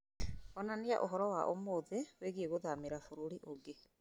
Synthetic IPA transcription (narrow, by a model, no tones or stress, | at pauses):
ɔnania̰ʔoɦɔɾɔwaʔomoðeweɣieɣoðameɾafoɾuɾiʔoɡe